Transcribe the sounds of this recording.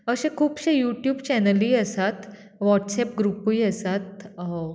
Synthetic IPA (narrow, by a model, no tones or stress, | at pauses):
əɕẽkʰuːpɕẽjuʈjuːbt͡ɕɛnəliːəsat̪ | ʋɔʈsɛp̚ɡɾupuiəsat̪